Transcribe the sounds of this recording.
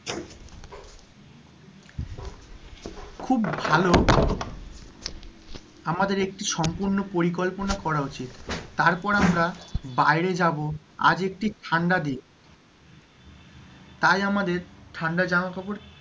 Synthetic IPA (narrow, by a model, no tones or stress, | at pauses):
kʰubːʱalo | amad̪eɾek̚ʈiʃɔmpuɾnopoɾik̬olponakɔɾaot͡ɕit̪ːaɾpɔɾamɾabajɾed͡ʑabo | a̰d͡ʑek̚ʈiʈʰaɳɖad̪ie | t̪ajamad̪eɾʈʰaɳɖad͡ʑaoakʰɔboɾ